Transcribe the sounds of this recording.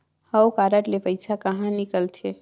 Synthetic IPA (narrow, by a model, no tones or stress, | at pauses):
həwkaːɾəʈlepəɪsakɐɦãnɪkəlt̪ʰe